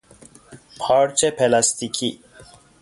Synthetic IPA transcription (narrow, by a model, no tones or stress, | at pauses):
pʰaːɽt͡ʃepʰelast̪ikʰi